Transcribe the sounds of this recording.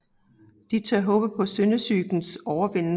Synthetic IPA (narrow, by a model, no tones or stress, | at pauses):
d̥it͡sʰɑ̰ɐɦɔ̽ːb̥ð̩ˠpʰɒ̽sønəsyɡ̥n̩sɒʊɐʋen̰n